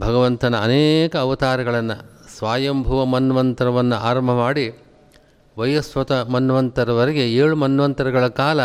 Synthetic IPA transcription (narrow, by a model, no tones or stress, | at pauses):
bʱɐɡɐʋɐnt̪ɐnɐːnɛːkɐːʋɐt̪aːɾɐɡɐɭɐnːɐsʋaːjɐmbʱɐʋɐmɐnːʋɐnt̪ɐɾɐʋɐnːuaːɾɐmbʱɐmaːɽi | ʋɐjɐsʋɐt̪ɐmɐnːʋɐnt̪ɐɾɐʋɐɾɐɡe̞eːɭumɐnːʋɐnt̪ɐɾɐɡɐɭɐkaːlɐ